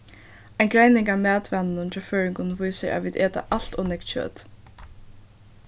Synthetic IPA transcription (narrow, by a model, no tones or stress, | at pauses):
ajnɡɾajnɪŋkaːmæːt̪vɛnnʊnt̪ʰɛːføːɹɪŋkʊnʋujsɪɹʔa̰ʋiːd̪eːt̪a̰ʔal̥t̪ɔːnɪk̪t͡ʃø̰ːt̪